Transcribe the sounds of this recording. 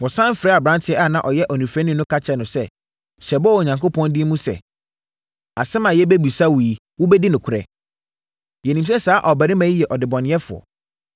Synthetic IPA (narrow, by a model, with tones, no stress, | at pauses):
wɔ̃˨sã˦m˦fɪ˨ɾɛ˦a˨bɾã˦ntʰɪ˨˦ɛ˦a˦˨nã˨ʔɔ˨jɛ˦ʔɔ˨nũ˨fɛ̃˦nɪ̃˦nʊ̃˦kʰa˦t͡ɕʰɛ˨nʊ̃˨sɛ˦ | ɕɛ˨bɔ˦ɔ˨ɲã˨ŋkʰo˦pʰɔ̃˦ndi˦mũ˦sɛ̰˨ | a̰˨sɛ˦mã˨jɛ˦bæ˦bu˨sa˦wu˨ji˨ | wʊ˦bɛ˦di˦nʊ̃˨kʰʊ˨ɾɛ̰˨ | jɛ˨nĩ˨msɛ˦saː˦ʔɔ˨bæ˨ɪ̃˦mã˨i˦jɛ˨ʔɔ˨dɪ˨bɔ̃˨nɪ̃˨˦ɛ˦fʊ̰˨ɔ̰˨